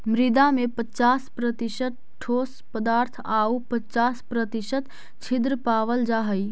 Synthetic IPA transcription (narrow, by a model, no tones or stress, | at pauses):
mɾɪd̪amẽpət͡ʃaːspɾət̪ɪʃət̪̚ | ʈʰoːspəd̪aːɾt̪ʰaːupət͡ʃaːspɾət̪ɪʃət̪ | t͡ʃʰɪd̪ɾəpaːʋəld͡ʒaːɦəi